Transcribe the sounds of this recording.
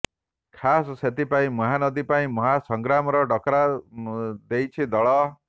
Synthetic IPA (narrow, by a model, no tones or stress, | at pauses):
kʰasɔset̪ipaĩmɔɦanɔd̪ipaĩmɔɦasɔŋɡɾamɔɾɔɖɔkɔɾa | d̪ejt͡ʃʰid̪ɔɭɔ